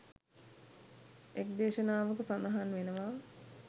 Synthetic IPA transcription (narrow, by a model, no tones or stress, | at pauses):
ek̚d̪eːʃənaːʋəkəsand̪ɐɦanʋenəʋaː